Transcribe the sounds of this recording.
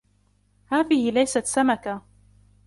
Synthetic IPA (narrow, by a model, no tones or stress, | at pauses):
haːðɪhɪlajsat̪samaka